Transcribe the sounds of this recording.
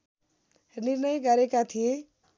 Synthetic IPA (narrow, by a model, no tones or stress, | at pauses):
nirnʌjɡʌɾekat̪ʰije